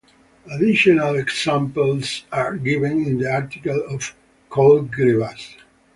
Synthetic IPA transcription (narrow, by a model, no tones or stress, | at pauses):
ad̪ɪʃɔnalɛksãmpəlsaɹɡɪvə̃nɪ̃nd̪iaɹt̪ikalɔv̥ | kʰolɡɾivas